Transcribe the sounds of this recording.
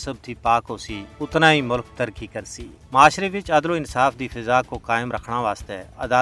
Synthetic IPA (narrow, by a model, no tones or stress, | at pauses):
səb̚t̪ʰiːpaːkɦoːsiːʊt̪nãːiːmʊlk̚t̪əɾkiːkəɾsḭː | maːʃɾeːʋɪt͡ʃɐd̪loːɪnsaːfʰd̪iːfʰɪzaːkokaːɪmɾəkʰɽ̃ãːʋaːst̪ɛ̰ːɐd̪aː